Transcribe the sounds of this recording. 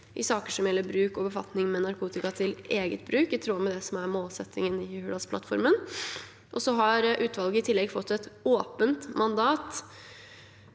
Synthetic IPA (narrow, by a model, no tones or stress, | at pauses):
ʔɪsɑːkəʂɔmjɛlːəbɾʉːkɔbəfɑ̰t̪nɪŋmɛnɑɾkʰuːt̪ɪkɑt̪ʰɪleːɡət̪̚bɾʉːkɪt̪ʰɾuːmɛd̪ɛsɔmæɾmoːlsɛt̪ːɪŋənɪhʉːlɑspʰlɑ̰t̪fɔ̰ɾmən | ʔɔsɔɦɑɾʔʉːt̪ʋɑlˠɡəɪt̪ʰɪlːɛɡfɔt̪ʰːɛt̪oːpənt̪mɑnd̪ɑːt̪